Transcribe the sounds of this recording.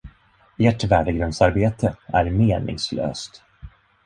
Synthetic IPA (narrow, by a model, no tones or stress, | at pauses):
eʈvæːɖəɡɾɵnsaɾbeːt̪ʰəæɾmeːnɪ̰ŋslø̰ːst̪